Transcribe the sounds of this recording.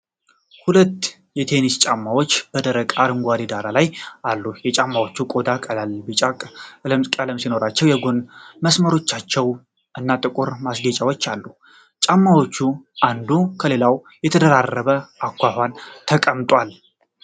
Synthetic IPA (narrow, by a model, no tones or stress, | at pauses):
hulət̪ː | jɛt̪ʰe̞nist͡ʃʼamːawo̞t͡ʃːb̥əd̪əɾəkʼaɾɨŋɡʷad̪id̪aɾalajʔalːujɛt͡ʃʼamːawo̞t͡ʃːukʼo̞d̪akʼəlalbɨt͡ʃʼakʼləmkʼələmsino̞ɾat͡ʃːɛwjɛɡo̞nməsməɾo̞t͡ʃːat͡ʃːɛw | ʔɨnːat̪ʼɨkʼuɾmasɡət͡ʃʼawo̞t͡ʃːalːu | t͡ʃʼamːawo̞t͡ʃːuʔand̪ukʰəle̞law | jɛt̪ʰəd̪əɾarːəβəʔakʷːahant̪ʰəkʼəmt̪ʼwal